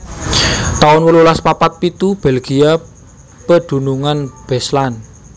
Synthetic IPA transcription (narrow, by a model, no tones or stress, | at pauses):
t̪aʊnwəlulaspapat̪̚pit̪ub̥ɛlɡ̥ia | pəɖ̪̥ṳnuŋanb̥ɛslan